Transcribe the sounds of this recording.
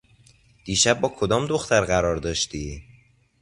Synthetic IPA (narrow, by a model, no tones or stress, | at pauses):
d̪̥iːʃæb̚ːɒːkʰod̪ɒːmd̪oxt̪ʰæɾɢæɾɒːɾd̪ɒːʃt̪iː